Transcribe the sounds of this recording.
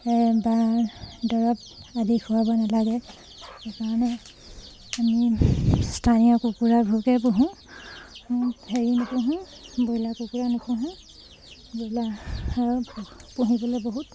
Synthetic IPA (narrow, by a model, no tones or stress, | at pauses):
ɛbadɔɹɔp̚ | adixʰuwabɔnalaɡɛ | ɛkaɹɔnɛ | ami | stʰanijɔkukuɹabʱukɛpuɦũ | heɹinukʰũɦʊ̃ | bojlakukuɹanukʰũɦʊ̃ | bojlaaɹubpuɦibɔlɛboɦut̚